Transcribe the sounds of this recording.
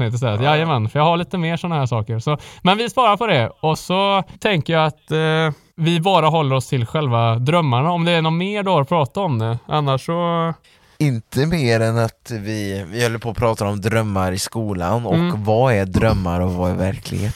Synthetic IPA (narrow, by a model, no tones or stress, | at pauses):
ɪt̪əsɛɾat̪jajəmɛnːfœɾjɑːɡaɭiːt̪əmeːʂɔnːahæːʂɑːkəɾsɔmɛnvɪspɑːɾaɾpʰɔd̪ɛɔsɔt̪ʰɛŋkəjaːat̪ | vɪbɑːɾaɦɔlːəɾɔst̪ʰɪlɧɛlvad̪ɾœmːaɳaɔmd̪ɛnʊmeːɖoɾɔpʰɾɑːt̪aɔmd̪ɛʔanːaʂːɔ | ɪnt̪ʰəmeːɾɛnat̪vɪvɪhœlːəɾpʰoːpʰɾɑːt̪aɾɔmd̪ɾœmːaɾɪskuːla̰nɔkvaæd̪ɾœmːa̰ɾɔvaɪ̰væ̰ɾkʰlɪ̰ɡhḛːt̪